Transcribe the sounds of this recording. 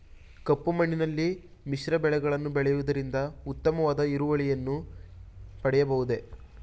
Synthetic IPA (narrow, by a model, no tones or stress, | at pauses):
kɐpːumɐɳːinɐlːi | miʃɾɐbɛɭɛɡɐɭɐnːubɛɭɛjuʋud̪ɐɾind̪ɐut̪ːɐmɐʋaːd̪ɐiɾuʋɐɭijɐnːu | pɐɽɛjɐbɐɣud̪e